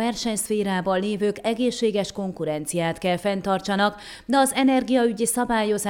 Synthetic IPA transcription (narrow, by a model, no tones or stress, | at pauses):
ɛrʃɛɲsfeːɾaːbɒlːeːvøːkɛɡeːʃːeːɡɛʃko̞ŋkuɾɛnt̪sijaːt̪kɛlfɛnt̪ɒrt͡ʃɒnɒk | d̪ɛɒzɛnɛrɡijɒyɟisɒbaːjo̞zaː